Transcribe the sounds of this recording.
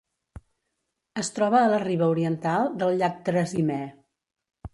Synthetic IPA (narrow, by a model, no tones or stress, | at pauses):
əst̪ɾɔβəːləriβəuɾiənt̪alˠd̪əlˠʎak̚d̪ɾəzimɛ